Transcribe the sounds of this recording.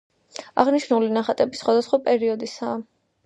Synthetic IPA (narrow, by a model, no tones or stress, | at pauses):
a̰ʁniʃnulinaχat̪ʼɛbisχwad̪asχwapʼɛɾiɔd̪isaː